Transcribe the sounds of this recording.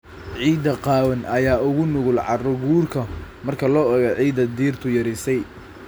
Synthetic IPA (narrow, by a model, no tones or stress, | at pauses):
ʕiːd̪ɐqɑːwɐnʔɐjaːʊɣʊnʊɣʊlʕɑrɔɡuːrkʰɐ | mɐrkʰɐlɔːɔɣɐʕiːd̪ɐd̪iːrt̪ʰʊjɐɾisɛj